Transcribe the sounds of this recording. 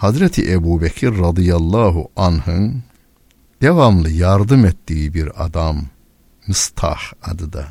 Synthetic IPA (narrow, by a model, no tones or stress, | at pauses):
hɑzɾɛt̪ʰḭʔæbuːbækʰiɾːɑd̪ijɑlˠːɑːɦuʔanhɯn | d̪̥ɛvɑmlˠɯjɑɾd̪ɯmet̪ːijibiɾɑ̰d̪ɑmː | ist̪ʰɑ̰ħɑd̪ɯd̪ɑ